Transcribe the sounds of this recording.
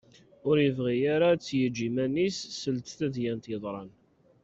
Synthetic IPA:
ʊɾjəvʁijaɾat͡sːjəd͡ʒːimænisːəlt̪θæðjænt̪jəðˤɾˤɑn

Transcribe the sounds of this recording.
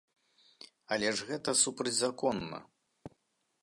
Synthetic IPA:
ɐlʲɛʐɣɛt̪ɐsupɾɐd͡zʲzakɔnːɐ̰

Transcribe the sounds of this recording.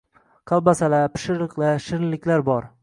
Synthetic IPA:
qʰɑlˠbasalapʰɪ̥ʃɪɾlɨqlaʃɪɾɪlːɪkʲlaɾbɒɾ

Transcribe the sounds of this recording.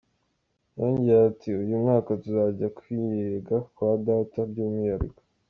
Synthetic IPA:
jaːɲɟijatiujumŋaːkatuzaɟakwijeɡakwaːdaːtaɾɟuːmijaɾḭko̥

